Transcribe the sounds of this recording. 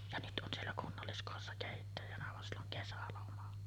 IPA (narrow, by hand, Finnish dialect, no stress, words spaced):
jɑ nyt ʔon sielːæ kunːɑlːiskoˑesːɑ keˑitːæjænæ ʋɑn silː oŋ kesælomɑ